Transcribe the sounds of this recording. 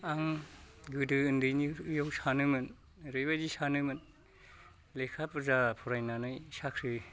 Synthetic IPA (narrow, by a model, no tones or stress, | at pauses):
aŋɡɯdɯɯndɯjnijowsanɯmɯn | ɾɯjbadisanɯmɯn | lekʰapɯzapʰɔɾajnanɯjsakʰɾɯ